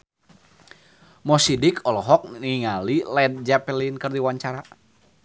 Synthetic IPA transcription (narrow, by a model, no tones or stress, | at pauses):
mɔsidikʰɔlɔɦɔk̚iŋalilɛd̪̚d͡ʒapɛlinkɨrdiwaɲt͡ʃaɾa